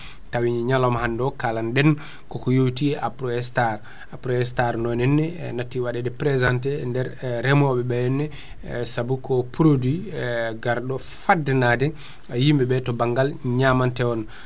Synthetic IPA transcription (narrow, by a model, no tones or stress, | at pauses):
tawiɲiɲalɔmhandɔkalandɛn | kɔkɔjowtiɛʔapɾɔɛstaɾ | apɾɔɛstaɾnɔnɛnːɛnatːiwaɗɛdɛpɾɛzantɛndɛɾːɛmɔɓɛbɛjɛnːɛ | sabukɔpuɾodiɡaɾɗɔ | fadːɛnadɛ | ajimbɛbɛtɔbaŋɡalɲamantɛɔn